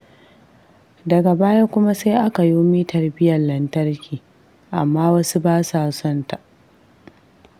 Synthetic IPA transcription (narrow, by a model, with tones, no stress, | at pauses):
dɐ˨ɡa˨baː˦ja˦kʷʊ˦ma˦se˦jʔa˦ka˨joː˦miː˦tʰɐ˨rbɪ˦jɐ˨lɐ˨ntɐ˦rkʲiː˨ | ʔa̰˨mːaː˦wɐ˦su˦baː˦saː˨sɔ˦nta˨ʔ